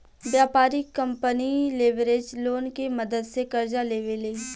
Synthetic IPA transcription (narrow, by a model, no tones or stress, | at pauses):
ʋjaːpaːɾikə̃mpənileːʋɾeːd͡ʒloːnkeməd̪əd̪sekɐɾd͡ʒaleːʋeleː